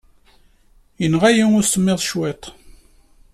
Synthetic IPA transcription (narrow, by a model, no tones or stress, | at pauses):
jənʁæjiʊɾsəmːeðˤʃwet̪ˤ